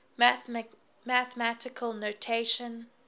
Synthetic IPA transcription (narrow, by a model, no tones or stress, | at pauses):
mæθəmætɪkʰəlˠnotʰeɪʃə̃n